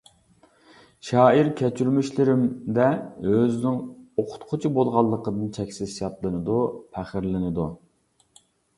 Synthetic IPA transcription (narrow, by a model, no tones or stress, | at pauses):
ʃɑːiɾkʲʰɛt͡ʃʰyɾmyʃlɪɾɪmd̪ɛøznɪŋoqʰʊ̥t̪qʰʊt͡ʃʰibolˠʁɑlˠːəqəd̪ɨnt͡ʃʰɛkʲsɪzjɑt̪lˠɨnɨd̪upʰæχɪɾlɪnɨd̪u